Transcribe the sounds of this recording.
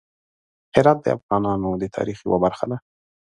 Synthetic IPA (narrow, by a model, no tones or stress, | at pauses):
hɪɾɑt̪̚d̪ə̰a̰fɣɑnɑnod̪ət̪ʰɑ̰ɾixjwabaɾxad̪a